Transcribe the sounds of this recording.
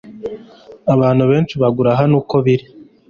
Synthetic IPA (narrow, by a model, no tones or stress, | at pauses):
aβaːnhuβe̞ːnʃiβaɡuɾaɦanuːko̞βiɾi